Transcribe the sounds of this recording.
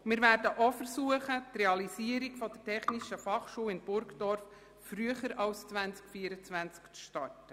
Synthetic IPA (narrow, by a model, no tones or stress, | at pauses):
mɪːɾvæːɾdəʔɔfəɾsuːəχət̪rɛɑlisiəɾiɡfɔd̥̪ətʰɛχnɪʃəfɑχʃuːɪnb̥ʊɾkd̥ɔɾf | fɾyəχəɾɑlst͡svænt͡skfiəɾət͡svænt͡skt͡sʃtɑtə